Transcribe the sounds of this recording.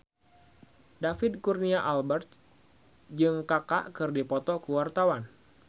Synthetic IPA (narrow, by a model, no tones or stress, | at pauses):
dafɪd̪̚kurniaʔalbərt̪̚ | d͡ʒɨŋkaka̰ʔkɨrdipɔt̪ɔkəwart̪awan